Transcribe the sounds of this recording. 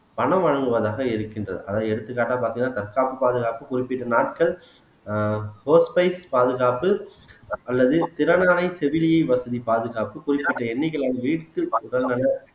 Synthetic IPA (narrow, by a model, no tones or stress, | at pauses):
pɐɳɐ̃mʋɐɻɐŋɡɯʋɐðaːɣɐɪɾɯkːɪndrɐ̰ðɯʔɐðãːɛɽɯt̪ːɯkːaːʈːaːpaːɾt̪ɪŋɡɐnːaːt̪ɐɾkaːpːɯpaːðɯɣaːpɯkʊɾɪpːɪʈːɐnaːʈ̚kɐɭ | hoːspɐɪspaːðɯɣaːpɯ | ʔɐlːɐðɯt̪ɪɾɐnaːlɐɪsɛʋɪlɪjɐɪʋɐsɐðipaːðɯɣaːpɯkʊrɪpːɪʈːɐɛnːɪɣɐɭaːnɐʋiːʈːɯkʊɽɐlɐnɐ